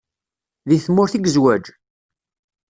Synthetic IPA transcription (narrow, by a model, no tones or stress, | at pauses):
ðiθmːʊɾθiɡəzwæd͡ʒ